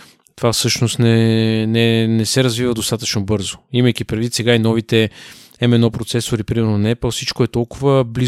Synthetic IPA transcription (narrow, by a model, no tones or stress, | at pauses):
t̪ovafsɤʃnost̪nɛnɛnɛsɛɾəzvivəd̪ost̪at̪ət͡ʃnobɤɾzoimɐjk̟ipɾɛd̪vit̪sɛɡainɔvit̪ɛ | ɛmɛnɔpɾot̪sɛsoɾipɾimɛɾnonɐɛpɛlˠfsit͡ʃkoɛt̪ɔlˠkʊvəbli